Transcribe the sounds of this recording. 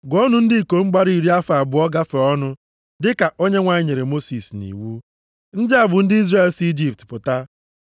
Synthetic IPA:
ɡɔ˦nʊ˦n̩˦dɪ˦i˨ko˨ŋ͡m̩˦ɡ͡ba˦ɾi˦˨ɾi˦a˦fa˨bʊ˨ɔ˦ɡa˦fe˨ɔ˦nʊ˦ | dɪ˦ka˨ʔo˦ɲe˦ŋʷa˨˦ɲe˨ɾe˨mo˦si˨snḭ˨wu˦ | n̩˦dɪ˦a˨bʊ˨n̩˦dɪ˦i˦zre˦e˦˨lsi˦d͡ʒi˨p̚tpʊ˨ta˦

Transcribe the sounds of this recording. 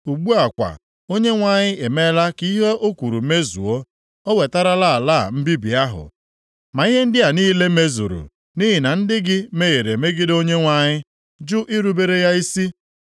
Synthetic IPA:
u˨ɡ͡bu˦a˨kʷa̰˨ | o˦ɲe˦ŋʷa˨ɲɪ˦e˨me˦la˦ki˦ɦe˦ʔo˦kʷu˨ɾu˨me˦zṵ˨o˦ | o˦we˨ta˦ɾa˦la˦˨la˦˨m̩˦bi˦bi˨a˦ɦʊ̰˨ | ma˨i˦ɦe˦n̩˦dɪ˦a˨niː˦le˦me˦zṵ˨ɾṵ˨ | ni˦ɦɪ˨na˨n̩˦dɪ˦ɡɪ˦me˦je˨ɾe˨me˦ɡɪ˦do˦ɲe˦ŋʷa˨ɲɪ˦ | d͡ʒʊ˦ʔi˦ɾu˦be˦ɾe˦ja˦i˦si˦

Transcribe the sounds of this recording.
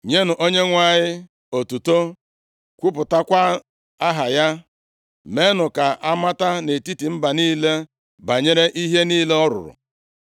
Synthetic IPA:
ɲe˦nʊ˨ʔo˦ɲe˦ŋʷa˦˨ɲɪ˦ | o˨tu˨to˦ | kʷʊ˦pʊ˨ta˦kʷa˦ | a˦ɦa˨ja˦ | me˦nʊ˨ka˨ʔa˦ma˦ta˦ne˨ti˦ti˨m̩˦ba˨niː˦le˦ | ba˨ɲe˦ɾe˦ʔi˦ɦe˦niː˦le˦ɔ˦ɾʊ̰˨ɾʊ̰˨

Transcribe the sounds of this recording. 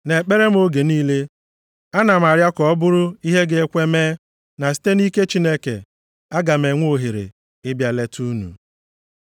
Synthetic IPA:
ne˨k͡pe˦ɾe˦m̩˦o˦ɡe˨niː˦le˦ | a˦na˨m̩˨a˨ɾja˦kɔ˨ɔ˦bʊ˦ɾʊ˦i˦ɦe˦ɡe˨e˦kʷe˦meː˦ | na˨si̥˦te˦ni˦ke˦t͡ʃi˦ne˦kḛ˨ | a˦ɡa˨me˨ŋʷ˦o˦˨ɦe˨ɾḛ˨ | ɪ˦bja˨le˦tʰu˦nṵ˨

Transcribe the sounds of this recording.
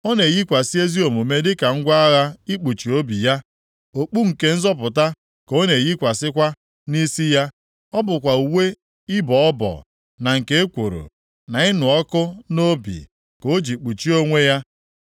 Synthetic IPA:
o˦ne˨ji˦kʷa˨si˦e˦zi˦o˨mu˨me˦dɪ˦ka˨ŋ̩˦ɡʷa˦a˦ɣa˦i˦k͡pu˨t͡ʃi˨o˦bi˨ja˦ | o˨k͡pu˦ŋ̩˨ke˨n̩˦zɔ˦p̬ʊ˨ta˦ | ko˦ne˨ji˦kʷa˨sɪ˦kʷa˦ | ni˦si˦ja˦ | ɔ˦bʊ˨kʷa˨u˨we˦ | ɪ˦bɔ˨ɔ˦bɔ̰˨ | na˨ŋ̩˨ke˦e˦kʷo˨ɾo̰˨ | na˨ɪ˦nʊ˨ɔ˦kʊ˦no˦bḭ˨ | ko˨˦d͡ʒi˨k͡pu˨t͡ʃi˦o˦ŋʷe˦ja˦

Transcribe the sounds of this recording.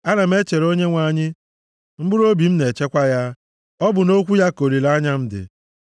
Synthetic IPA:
a˦na˨m̩˦e˦t͡ʃe˨ɾo˦ɲe˦ŋʷa˨ɲɪ˦ | m̩˦bʊ˦ɾo˦bi˨m̩˦ne˨t͡ʃe˦kʷa˦ja˦ | ɔ˦bʊ˨no˦kʷu˦ja˦ko˨ɾi˨la˦ɲa˦m̩˦dɪ̰˨

